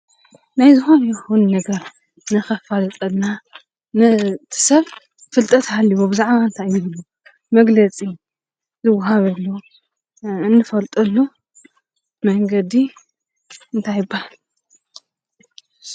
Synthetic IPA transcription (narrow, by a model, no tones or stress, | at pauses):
najzɨxo̞njɛxunːɐɡɐɾ | nɨxɐfalɐt̪ʼɐlna | nɨt̪ʰɨ̥sɐβ | fɨlt̪ʼɐt̪ʰhalːɨβobɨzaʕβaɨnt̪ʰajɪβɨlːu | mɐɡlɐt͡sʼi | zɨwaɦaβɨlːo | ɨnːɨfɐlt̪ʼɐlːu | mɐŋɡɐd̪i | ɨnt̪ʰajɪbːahalu